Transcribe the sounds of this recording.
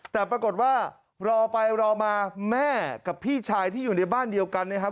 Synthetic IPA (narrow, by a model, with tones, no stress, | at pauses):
t̪ɛː˨˩pɾa˧ko˨˩t̪̚waː˥˩ | ɾɔː˧pa˧jɾɔː˧maː˧mɛː˥˩ka˨˩pʰːiː˥˩t͡ɕʰaː˧jt̪ʰiː˥˩juː˨˩na˧jbaː˥˩ndi˧əwka˧nːa˥˩kʰa˦˥